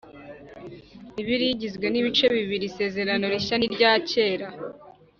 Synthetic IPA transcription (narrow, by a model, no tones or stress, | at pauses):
iβiɾiɟizɡwe̞niβit͡ʃe̞βiβiɾise̞ːze̞ɾano̞ɾiʃaniɾɟaːce̞ːɾa